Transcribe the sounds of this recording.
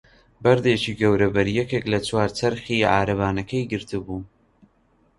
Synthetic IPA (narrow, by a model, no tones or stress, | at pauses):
bɐɾd̪et͡ʃiɡɐwɾɐbɐɾijɛkeklɐt͡swaːɾt͡sɐɾχiʕa̰ːɾɐβaːnɐkʰɐjɡɨɾt̪ɨbuː